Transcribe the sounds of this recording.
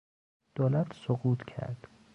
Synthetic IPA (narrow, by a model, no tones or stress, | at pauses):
d̪̥oːlæt̪ʰsoɡuːt̪ʰcʰæ̰ɾd̪̥